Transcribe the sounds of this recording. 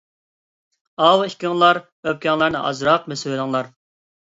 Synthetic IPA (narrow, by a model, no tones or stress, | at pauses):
ɑwikʲiŋlˠɑɾ | øp̚kʲʰɑŋlˠɑɾnɨ̰ʔɑ̰zɾɑqmɛswɪlˠɨŋlˠɑɾ